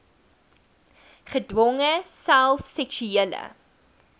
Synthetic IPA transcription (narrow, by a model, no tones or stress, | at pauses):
χədwɔŋəsælˠfsɛkʃyiələ̰